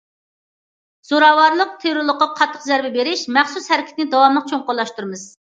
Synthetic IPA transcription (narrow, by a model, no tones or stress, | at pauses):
z̥oɾɑːwɑɾlˠəq̚t̪ʰeɾuɾlˠəqːɑqʰɑt̪ʰːə̥qzæɾbɛbeɾɪʃmæχsushæɾɪkʲi̥t̪ɪnɪd̪ɑwɑmlˠəq̚t͡ʃʰoŋqʊɾlˠɑʃt̪uɾmɨz̥